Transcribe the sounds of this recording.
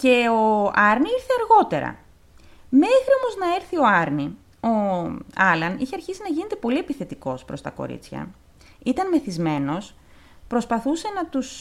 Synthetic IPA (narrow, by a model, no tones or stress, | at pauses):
ce̞oɐɾniiɾθeɐɾɣo̞t̪e̞ɾɐ̰ | me̞xɾiomo̞znɐe̞ɾθio̞ɐɾni | o̞ɐlɐnḭçeɐɾçisinɐʝine̞t̪e̞po̞liepiθe̞t̪iko̞spɾo̞st̪ɐko̞̰ɾḭt͡sçɐ̰ | it̪ɐnme̞θizme̞no̞s | pɾo̞spɐθuse̞nɐt̪us